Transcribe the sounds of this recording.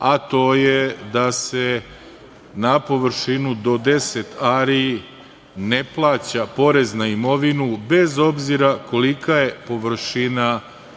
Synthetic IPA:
at̪o̞ːjed̪ase | napo̞ʋɾ̩ʃinud̪o̞d̪e̞se̞t̪aɾi | ne̞plˠaːt͡ɕapo̞ɾe̞znaimo̞ʋinube̞zo̞bziɾako̞likaje̞po̞ʋɾ̩ʃina

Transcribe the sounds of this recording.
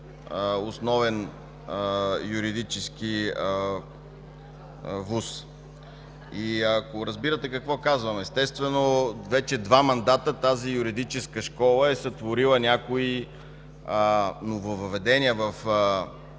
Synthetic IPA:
osnɔvɛn | juɾid̪it͡ʃɛsk̟iə | vus | iɐkoɾɐzbiɾət̪ɛkɐkvɔkazvɐmɛst̪ɛst̪vɛnovɛt͡ʃɛd̪vamɐnd̪at̪ət̪azijuɾid̪it͡ʃɛskəʃkɔlˠəɛsɐt̪voɾilˠənʲakoi | novovəvɛd̪ɛnʲiəvɐf

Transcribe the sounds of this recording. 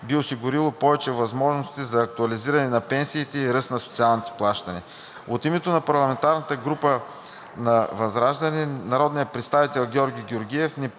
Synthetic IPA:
biosiɡʊɾilˠopɔvɛt͡ʃɛvɐzmɔʒnost̪izɐːk̚t̪uɐliziɾɐnɛnɐpɛnsiːt̪ɛiɾɤsnɐsot̪sialˠnit̪ɛ̥plˠaʃt̪ɐni | ot̪imɛt̪onɐpɐɾlˠɐmɛnt̪aɾnət̪əɡɾupə | nɐvɐzɾaʒd̪əninɐɾɔd̪nijəpɾɛt̪st̪avit̪ɛlˠɡʲɔɾɡʲiɡʲoɾɡiɛfni

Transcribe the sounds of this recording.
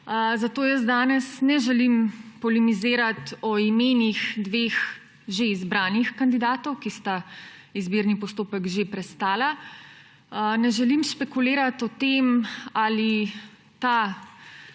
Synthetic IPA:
zat̪oːjəs̬d̪aːnɛsnɛʒɛlimpɔlimizeːɾat̪ɔimeːnixd̪ʋeːx | ʒeizbɾaːnixkand̪id̪aːt̪ɔwkist̪aizbiːɾnipɔst̪oːpɛkʒepɾɛst̪aːla | nɛʒɛlimʃpɛkuleːɾat̪ɔt̪emali | t̪a

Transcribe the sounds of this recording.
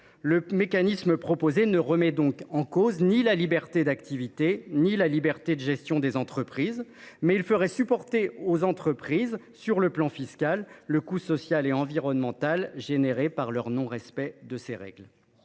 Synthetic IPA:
ləmekanisməpχɔpozenəʁəmɛd̪ɔ̃kɑ̃koznilalibɛʁt̪ed̪akt̪ivit̪enilalibɛʁt̪ed̪əʒɛst̪jɔ̃d̪ezɑ̃t̪χəpχizmɛilfəʁɛsypɔʁt̪eozɑ̃t̪χəpχiz | syʁləplɑ̃fiskalːəkusɔsjaleɑ̃viʁɔnmɑ̃t̪alʒeneʁepaʁlœʁnɔ̃ʁɛspɛd̪əseʁɛ̰ɡl

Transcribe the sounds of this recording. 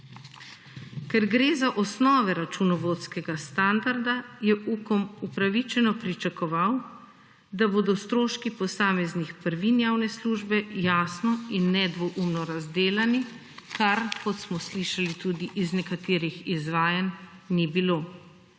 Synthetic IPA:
kɛɾɡɾeːzaʔɔsnɔːʋɛɾat͡ʃunɔʋot̪skɛɡast̪and̪aɾd̪ajɛʔuːkɔmupɾaʋit͡ʃɛnɔpɾit͡ʃakɔʋaw | d̪aboːd̪ɔst̪ɾoːʃkipɔsaːmɛznixpəɾʋinjaːwnɛsluʒbɛjaːsnɔinːɛd̪ʋɔʔumnɔɾazd̪eːlani | kaɾkɔt̪smɔsliʃalit̪uːd̪iʔiznɛkat̪eːɾixizʋaːjanːibilo

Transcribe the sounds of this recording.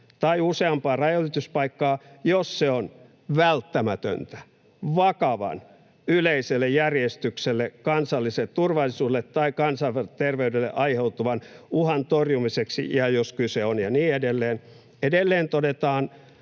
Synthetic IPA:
t̪ɑiuseɑmpɑːrɑjolːit̪uspɑikːɑːjosseon | ʋælt̪ːæmæt̪ø̰nt̪æ̥ | ʋɑkɑʋɑ̰n | yleiselːejjærjest̪ykselːekɑnsɑlːiset̪urʋɑlisuːelet̪tɑikɑnsɑt̪erʋeydelːḛʔɑiheut̪uʋɑnuhɑnt̪orjumiseksḭjɑjoskyseonjɑniːedelːeːn | edelːeːnt̪odet̪ɑːn

